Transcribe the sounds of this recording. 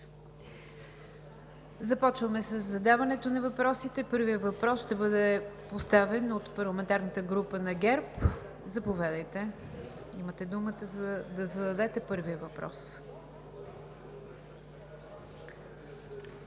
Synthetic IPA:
zɐpɔt͡ʃvəmɛsəzːɐd̪avɐnɛt̪onɐvɐpɾɔsit̪ɛpɤɾvijəvɐpɾɔsʃt̪ɛbɤd̪ɛpost̪avɛnot̪pɐɾlˠɐmɛnt̪aɾnət̪əɡɾupənɐɡɛɾp | zɐpovʲad̪əjt̪ɛ | imət̪ɛd̪umət̪əzəd̪ɐzɐd̪ɐd̪ɛt̪ɛpɤɾvijəvɐpɾɔ̰s

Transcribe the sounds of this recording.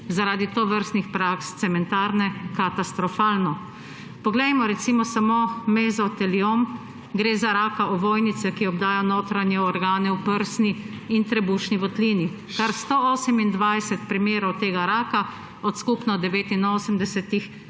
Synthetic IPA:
zaɾaːd̪it̪oʋəɾst̪nixpɾakst̪sɛmɛnt̪aːɾnɛkat̪ast̪ɾɔfaːlnɔ | pɔɡlɛjmɔɾɛt̪simɔsamoːmezɔt̪ɛliom | ɡɾeːzaɾaːkaʔɔʋoːjnit̪sɛkiɔbd̪aːjanoːt̪ɾanjɛɔɾɡaːnɛwpəɾsni | int̪ɾɛbuːʃniʋɔt̪liːni | kaɾst̪ooːsəmind̪ʋajsɛt̪pɾimeːɾɔwt̪eːɡaɾaːka | ɔt̪skupnɔd̪ɛʋeːt̪inoːsəmd̪ɛsɛt̪ix

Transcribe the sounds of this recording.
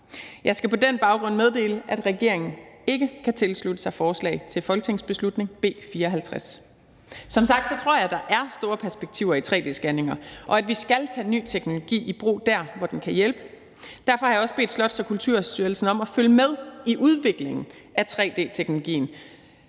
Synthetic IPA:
jɑ̈ɪsɡ̥æpʰɒ̽denb̥ɑ̈ʊɡ̥ʁɔ̽nmeð̞ˠd̥e̝̰ːləʔæd̥ʁɛɡ̥e̝ɐ̰e̝ŋn̩e̝ɡ̥əkʰæt͡sʰe̝lslud̥əsɑ̈ɪfɒːslɛ̰ɪt͡sʰe̝lfɒ̽lɡ̥ət͡sʰe̝ŋ̰sb̥e̝slud̥ne̝ŋb̥e̝̰ːfiːɐɒ̽ɦælt͡sʰʁas | sɒ̽msɑ̈ɡ̥̚d̥sɒ̽t͡sʰʁo̝ɐ̰jɑ̈ɪd̥ɑ̈ʔæɐsd̥o̝ːɐpʰæɐsb̥eɡ̥̚t͡sʰiʊ̰ɐit͡sʰʁɛ̰ːd̥e̝̰ːsɡ̥æne̝ŋɐʔɒ̽æd̥ʋisɡ̥ælt͡sʰɛ̰ːny̰ːt͡sʰeɡ̥no̝lo̝ɡ̥ḭːib̥ʁo̝̰ːd̥æɐ̰ʋɒd̥enkʰæjelb̥ə | d̥æɐfɒ̽hɑjɑ̈ɒ̽sb̥e̝ːd̥slɒ̽d̥sɒ̽kʰult͡sʰuɐ̰sd̥yɐlsn̩ɒ̽mæføljəmeð̞ˠiʔuð̞ˠʋe̝ɡ̥le̝ŋn̩æt͡sʰʁɛ̰ːd̥e̝̰ːt͡sʰeɡ̥no̝lo̝ɡ̥ḭːn̩

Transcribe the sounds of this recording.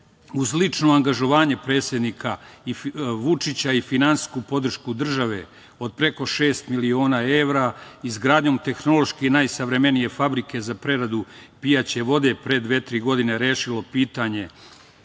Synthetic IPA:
uzlit͡ʂno̞aŋɡaʒo̞ʋaːɲe̞pɾe̞ːt̪sʲjed̪nikʰaiʋut͡ʂit͡ɕaifinansi̥skupo̞d̪r̩ʃkud̪r̩ʒaʋe̞ | o̞d̪̚pɾe̞ko̞ʃe̞ːst̪milio̞ːnaːe̞ʋɾaizɡɾaːd̪ɲo̞ːmt̪e̞xno̞lˠo̞ʃkenajsaʋɾe̞me̞nije̞fabɾikʰe̞zapɾe̞ɾad̪upijat͡ɕe̞ʋo̞d̪e̞pɾe̞d̪ʋe̞ːt̪ɾiːɡo̞d̪ine̞ɾeːʃilo̞piːt̪aɲe̞

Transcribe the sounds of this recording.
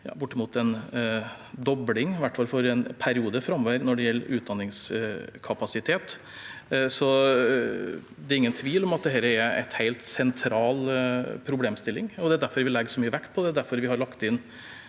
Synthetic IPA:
jɑ̰ːbʊʈːəmuːt̪ɛn | d̪ɔblɪŋʋæʈːfɑlfɔɾɛnpʰæɾɪuːd̪əfɾɑmːɔʋəɾnɔɖɛjɛlːəɾʔʉːt̪d̪ɑnːɪŋskʰɑpɑsɪt̪ʰeːt̪ | sɔ | d̪ɛɾɪŋːənt̪ʰʋiːlɔmɑt̪̚d̪ɛɦɛːɾəɛɾæ̰ɪt̪heɪlt̪sɛnt̪ʰɾɑːlpʰɾʊbleːmst̪ɪlːɪŋɔd̪ɛæd̪æɾfɔɾʋɪlɛɡəʂɔmyːəʋækt̪̚pʰɔd̪ɛd̪æɾfɔɾʋɪhɑɾɭɑkt̪ɪnː

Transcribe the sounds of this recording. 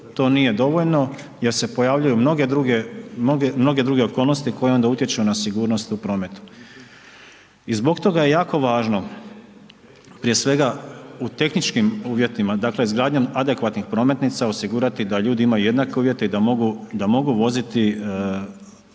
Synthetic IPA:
t̪o̞ːnije̞d̪o̞ʋo̞ʎno̞ | je̞ɾse̞po̞jaːʋʎujumno̞ɡed̪ɾuɡeoɡemno̞ɡe̞d̪ɾuɡe̞o̞ko̞ːlˠnost̪iko̞jeo̞nd̪aut̪je̞t͡ʃunasiɡuːɾnost̪upɾo̞ːme̞t̪u̥ | izbo̞ɡt̪o̞ɡaje̞jaːko̞ʋaːʒno̞ | pɾije̞sʋe̞ɡaut̪e̞xnit͡ʃkimuːʋje̞t̪imad̪aːkle̞izɡɾaːd̪ɲamad̪e̞kʋat̪nixpɾo̞ːme̞t̪nit̪saosiɡuːɾat̪id̪aʎuːd̪iimajuje̞d̪nake̞uːʋje̞t̪e̞id̪amo̞ɡud̪amo̞ɡuʋo̞zit̪i

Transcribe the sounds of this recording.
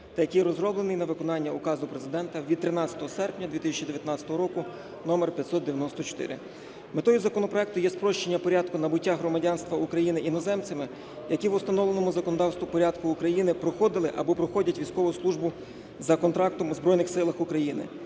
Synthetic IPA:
t̪ɐjɐkʲijɾɔzrɔblˠenɪjnɐʋɪkɔnɑnʲːɐʊkɑzʊpɾezɪd̪ɛnt̪ɐʋʲid̪̚t̪ːɾɪnɑt͡sʲɐ̥t̪ɔɦɔsɛrpnʲɐd̪ʲit̪ɪsʲɐt͡ʃid̪eʋjɐt̪nɑt͡sʲɐ̥t̪ɔɦɔɾɔkʊ | nɔmerpʲjɐt̪sɔt̪d̪eʋʲjɐnɔst̪ɔt͡ʃɔ̥t̪ɪ̰ɾɪ̰ | met̪ɔjʊzɐkɔnɔpɾɔɛk̚t̪ʊjɛspɾɔʃt͡ʃenʲːɐpɔɾʲɑd̪̚kʊnɐbʊtʲːaɦɾɔmɐdʲɑnst̪ʋɐukɾɐjinɪʔinɔzɛmt͡s̪ʲɪmɪ | jɐkʲiʋʊst̪ɐnɔʋlˠenɔmʊzɐkɔnɔd̪ɑwst̪ʋʊpɔɾʲɑd̪kʊːkɾɐjinɪpɾɔxɔd̪ɪlˠɪʔɐbɔpɾɔxɔdʲɐtʲʋʲijsʲkɔʋʊslˠuʒbʊ | zɐkɔnt̪ɾɑk̚t̪ɔmʊzbɾɔjnɪxsɪlˠɐxʊkɾɐjinɪ̰

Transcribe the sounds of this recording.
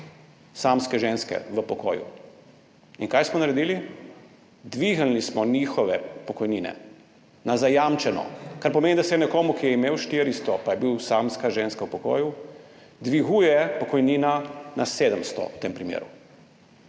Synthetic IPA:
samskɛʒeːnskɛ̰ʋəpɔko̰ːjṵ | inkajsmɔnaɾɛd̪iːli | d̪ʋiɣalnismɔniːxɔʋɛpɔkɔjniːnɛ̰ | nazajamt͡ʃɛnɔ̰kaɾpɔmeːnid̪asɛnɛkoːmukijɛimeːwʃt̪iːɾist̪ɔpajɛbiwsamskaʒenskawpɔko̰ːju | d̪ʋiɣujɛpɔkɔjniːnanʔaseːd̪əmst̪ɔ̰wt̪eːmpɾimjḛːɾu

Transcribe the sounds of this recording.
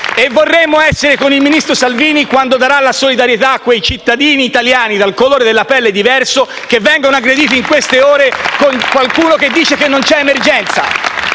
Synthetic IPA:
evːorːɛmːoɛsːeɾekonilminist̪ɾosalviːnikwand̪od̪aɾalasolid̪aɾjet̪akːwejt͡ʃit̪ːad̪iːniːt̪aljaːnid̪alkoloːɾed̪elːapɛlːed̪ivɛrso | k̟evːɛŋɡonoaɡɾed̪iːt̪̬iŋkwest̪eoːɾekoŋkwalkuːnok̟ed̪ːiːt͡ʃekenːont͡ʃɛemerd͡ʒɛnt̪sa̰

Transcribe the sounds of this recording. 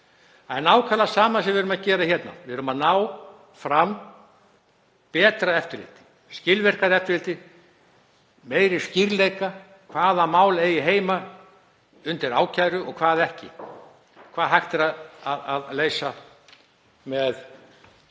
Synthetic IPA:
aɛnaːwkʰalasaːmasɛmvɪɾʏmaðcɛːɾaçɛt̪na̰vɪðɾʏmaðnaːw | fɾam | pɛːt̪ɾaɛft̪ʏɾlɪ̰ːt̪ɪ̥ | scɪlvɛr̥kaɾɛft̪ʏɾlɪt̪ɪ | meːjɾɪsciɾlejka | kʰvaːðamaːwlejɪɦeːjma | ʏnt̪ɪɾa̰ːwcʰajɾʏɔɣkʰvaːðɛhcɪ̰ | kʰv̥aːðɦajxt̪ɪɾaðaðaðleːjsa | mɛð

